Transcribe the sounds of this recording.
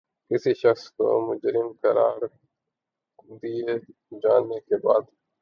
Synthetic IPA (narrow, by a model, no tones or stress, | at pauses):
kɪsiʃɐxsko̰mʊd͡ʒɾɪmkɐɾa̰ːɾ | d̪ie | d͡ʒaːnːekeba̰ːd̪